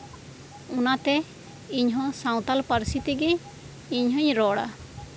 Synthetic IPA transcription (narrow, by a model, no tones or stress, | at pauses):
unat̪ɛ | iɲɦɔ̃sãw̃t̪alpaɾsit̪iɡɛ | iɲɦɔɲɾɔɽa̰